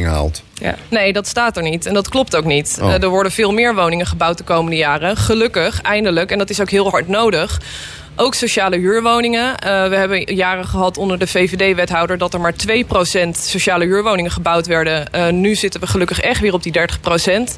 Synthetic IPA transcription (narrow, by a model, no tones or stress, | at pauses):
ŋəɑ̰lˠtnejdɑtstaːtɛɹnitɛndɑtklɔp̚towknitdəɹʋɔɹdənv̥ɪːlˠmɪːɹʋownɪŋəχəbʌwt̚dəkowməndəjaːrəχəlɵkəχɛjndələkɛndɑtɪsowkɦɪːlˠɦɑɹtnowdəχ | ʔowksowʃaːləɦyːɹʋownɪŋənʋəɦɛbəjaːrəχəɦɑtɔndəɹdəvejvedejʋɛtɦʌwdəɹdɑtɛɹmaːɹtʋejprowsɛntsowʃaːləyːɹʋownɪŋəχəbʌwtʋɛɹdənnyzɪtənʋəχəlɵkəχɛχtʋɪːɹɔb̚didɛɹtəχprowsɛnt